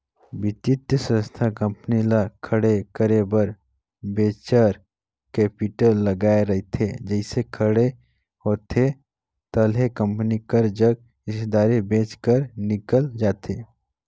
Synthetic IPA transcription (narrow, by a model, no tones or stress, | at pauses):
bɪt̪ɪt̪jəsə̃st̪ʰakə̃mpnilakʰəɽekəɾebəɾ | beːt͡ʃəɾ | kɛːpɪʈəlːəɡaːeɾɐɦet̪ʰed͡ʒəɪsekʰəɽe | hoːt̪ʰe | t̪əlɦekə̃mpnikəɾd͡ʒəɡ | ɪsd̪aːɾebẽːt͡ʃkəɾnɪkəld͡ʒaːt̪ʰeː